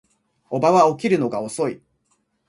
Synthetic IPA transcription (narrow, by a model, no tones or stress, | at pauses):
o̞baβao̞k̬ʲiɾɯ̟no̞ɡao̞so̞i